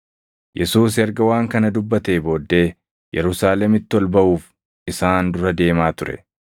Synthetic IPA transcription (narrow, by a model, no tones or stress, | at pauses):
jʔɛsuːs̬ɐɾɡɐwaːŋkɐnɐd̪ʊbːɐt̪e̞ːbo̞ːd̪ːe̞ː | jɛɾʊsaːlɛmɪt̪ːɪɔlbɐʔuːf | ɪsaːnd̪ʊɾɐd̪e̞ːmaːt̪ʊɾɛ̰